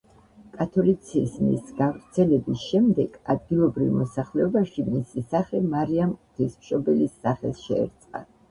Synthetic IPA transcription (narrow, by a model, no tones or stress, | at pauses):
kʼat̪ʰɔlit̪sʰisnḭsɡavɾt̪sʰɛlɛbisʃɛmd̪ɛɡ̥ad̪̚ɡilˠɔbɾivmɔsaχlɛɔbaʃimisisaχɛmaɾiamkʼt̪ʰismʃɔbɛlisːaχɛ̰lˠʃɛ̰ːɾt̪sʼqʼa̰